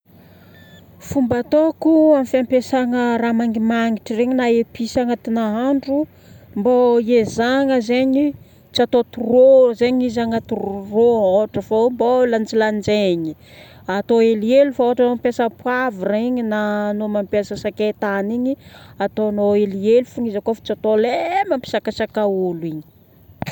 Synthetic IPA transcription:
fumbat̪okuamfampesaŋəramaŋɡimaŋiʈ͡ʂireɲinaepisaŋat̪inaɦaɳɖ͡ʐu | mboiezaŋəzeɲi | t͡siat̪ot̪urozeɲizaŋət̪urooʈ͡ʂəfambolant͡siland͡ʒeɲi | at̪oelielufaoaʈ͡ʂanompjasəpwavireɲinanomampjasəsaket̪aniɲiat̪onoelielufuŋizakofḁt͡sat̪olemampi̥sakasakauliɲi̥

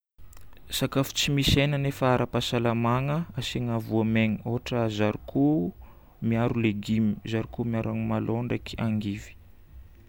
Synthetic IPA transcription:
sakafu̥t͡simisenanefaaɾapasalamaŋəasiŋavuameŋioɦʈ͡ʂəzaɾikʰu | miaɾuleɡimi̥zaɾikumiaɾaŋimaloɳɖ͡ʐekʰi̥aŋɡivi̥

